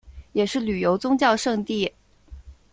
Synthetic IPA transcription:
jɛ˨˩ʂɻ̩˥˩ly˨˩jo˧˥ʊt͡sʊ˥ŋt͡ɕjɑ˥˧ʊʂɤ˥˧ŋt̪i˥˩

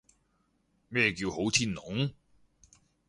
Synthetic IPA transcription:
mɛː˧k̬iː˧who˨˥wt͡s̪ʰiː˥nnʊ˨˥ŋ

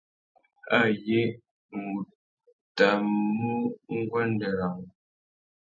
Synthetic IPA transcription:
a˦˨je˦ | ŋ̩˨ɡu˨ | ta˨mu˦ŋ̩˦ɡwa˦n˦də˨ɾa˨ŋ

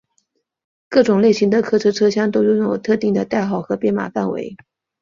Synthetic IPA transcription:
kɤ˥˩ʈ͡ʂʊ˨˩ŋle˥˩ɪɕi˧˥ŋd̪ə˨kʰɤ˥ʈ͡ʂʰɤ˥ʈ͡ʂʰɤ˥ɕjɑ˥ŋt̪̬o˥ʊjʊ˥˩ŋjjo˨˩ʊt̪ʰɤ˥˧t̪i˥˩ŋd̪ə˩t̪a˥˩ɪxɑ˥˨˩ʊxɤ˧˥pjɛ˥nma̰˨˩fa˥˩nwḛ˧˥ɪ

